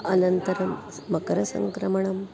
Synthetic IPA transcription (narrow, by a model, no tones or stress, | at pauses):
ɐnɐnt̪ɐɾɐmː | ɐkɐɾɐsɐ̰ŋkɾɐmɐɳɐm